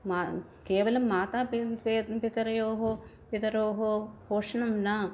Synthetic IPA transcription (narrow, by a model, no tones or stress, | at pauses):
ma | keːʋɐlɐmːaːt̪aːpppit̪ɐɾɐjoːɦoːpit̪ɐɾoːɦopoːʂɐɳɐmna